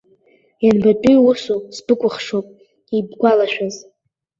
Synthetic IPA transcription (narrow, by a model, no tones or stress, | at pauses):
janbapʼijwʊsosbɨkʷʼʊχʂowpʼ | ibɡʷalaʃᶣaz